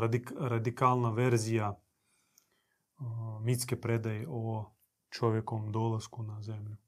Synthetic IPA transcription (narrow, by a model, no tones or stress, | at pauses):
ɾad̪ikalˠnaʋeɾzija | mit̪skepɾed̪ajeʔo | t͡ʃoʋjekoʋomd̪olaskunazemʎu